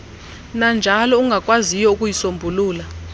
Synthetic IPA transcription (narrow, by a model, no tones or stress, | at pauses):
nand͡ʒʱalɔuŋɡʱakʼwazijɔukʼujisombʱuluːla